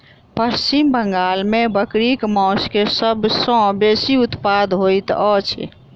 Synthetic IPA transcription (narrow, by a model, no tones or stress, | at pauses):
pəɾt͡ʃimbəŋɡalmebəkɾikmɔ̃skesəbsɔ̃besiut̪pad̪ɦojt̪ɔt͡ʃʰḭ